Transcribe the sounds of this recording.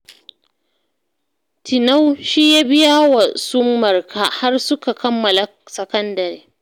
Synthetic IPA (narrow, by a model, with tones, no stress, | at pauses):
tʰɪ˨na˦wʃiː˦ja˦bɪ˦ja˦wa˨sʊ˦mːɐ˨rka˦ha˦rsʊ˦ka˨kɐ˦mːɐ˨la˨ | sɐ˨kɐ˦ndɐ˨ɾeː˦